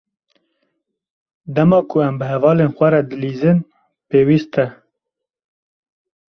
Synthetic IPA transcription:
d̪ɛmɑːkʰʊɛmbɨɦɛvɑːleːnxʷɛɾɛd̪ɨliːzɨn | peːwiːst̪ʰɛ

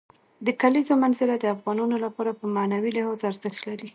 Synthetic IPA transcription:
d̪əkalizomanzɪlad̪əafɣɑnɑnolapɑɾapəmanawilɪhɑzaɾzəxt̪laɾi

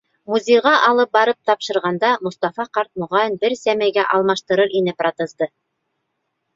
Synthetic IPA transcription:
muzʲejʁɑʔɑlˠɤp̚bɑɾɤp̚t̪ɑpʃɤ̆ɾʁɑnd̪ɑmŏst̪ɑfɑqɑɾt̪̚mŏʁɑjɤnbɘɾsæmæjɡæʔɑlˠmɑʃt̪ɤ̆ɾɤɾʔinɘprat̪ɤ̆zd̪ɤ

